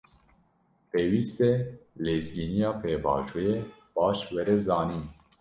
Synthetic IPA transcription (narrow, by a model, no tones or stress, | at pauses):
peːwiːst̪ɛleːzɡiːnijɑːpʰeːbɑ̰ːt͡ʃuje | b̥ɑːʃwɛɾɛzɑːniː